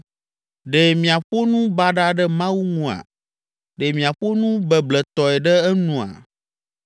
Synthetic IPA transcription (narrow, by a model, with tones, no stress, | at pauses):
ɖe˨mĩ˨a˨ɸo˦nũ˦ba˦ɖa˦ɖɛ˦mã˦wu˦ŋũ˦a̰˨ | ɖe˨mĩ˨a˨ɸo˦nũ˦bɛ˨blɛ˨t̪ɔ˨ɛ˨ɖɛ˦ɛ˦nũ˨a̰˨